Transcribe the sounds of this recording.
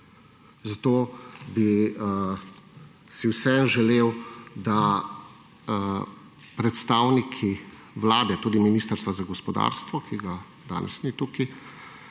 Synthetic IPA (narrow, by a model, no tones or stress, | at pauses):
zat̪oːbi | siwsɛmʒɛleːwd̪a | pɾɛt̪st̪aːwnikʰi | ʋlaːd̪ɛt̪uːd̪iminist̪əɾst̪ʋazaɡɔspɔd̪a̰ːɾst̪ʋɔkiɡa | d̪a̰ːnʔɛ̰snit̪uki